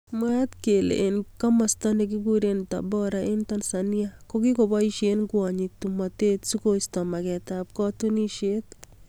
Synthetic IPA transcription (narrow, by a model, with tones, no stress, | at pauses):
mwa˦t̪ke˨lḛ˨ʔːnka˦ma˨sta˦ne˨k̬i˦ɡu˦ɾenta̰˨bɔ˦ɾaʔe˦nta˦nsanja˦ko˦ki˦ko˨ba˦i˦ʃenɡwa˨ɲi˨tu˨ma˨te˦tsu˦ko˦istɔ˨ma˨kɛ˨tap̚kɔ˦tu˦ni˦ʃe˦t̪